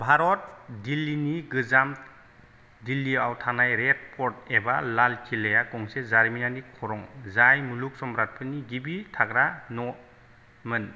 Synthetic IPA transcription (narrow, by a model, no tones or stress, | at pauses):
bʱaɾɔt̚dilːiniɡɯzamt | dilːiawtʰanajɾet̚pʰɔɾt̚ebalalkʰilejakɔŋsezaɾminanikʰɔɾɔŋzajmuluk̚sɔmɾat̚pʰɯniɡibitʰaɡɾanɔ | mɯn